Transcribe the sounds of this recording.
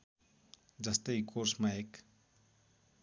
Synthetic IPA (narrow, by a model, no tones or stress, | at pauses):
d͡zʌst̪əikʰoɾsmaek